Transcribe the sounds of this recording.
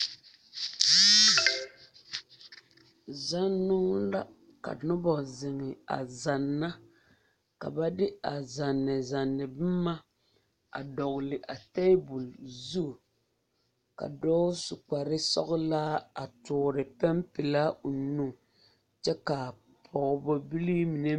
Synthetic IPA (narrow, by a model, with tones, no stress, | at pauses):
za˦nːʊ˦ŋla˦ | ka̰˨nʊ˦bɔ˨zɪ˨ŋɪ˨a̰˨za˨nːa˦ | ka̰˨ba˦dɪ˦a˨za˨nːɪ˨za˨nːɪ˨bɨ˦ma˦ | a̰˨dɔ˨ɣʊ˨lɪ˨ʔa˨te˦bu˨lzu˦˨ | ka̰˨dɔː˦sʊ˨k͡pa˨ɾɪ˦sɔ̰˦ɣʊ˦laː˦a˨tʊː˨ɾɪ˨pɛ˦mpɪ˨la˦ʊ˨nu˦ | t͡ʃɛ˦ka˨ | pʰɔ˨bɔ˦bi˦li˦mi˨ne˦